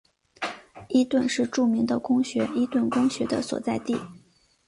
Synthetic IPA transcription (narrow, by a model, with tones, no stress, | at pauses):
i˧˥t̪wə˥˧nʂɻ̩˥˧ʈ͡ʂu˥˩mi˧˥ŋd̪ə˧kʊ˥ŋɕɥɛ˧˥i˧˥t̪wə˥˩nkʊ˥ŋɕɥɛ˧˥d̪ə̰˧swɔ̰˨˩t͡sa˥˧ɪt̪i˥˩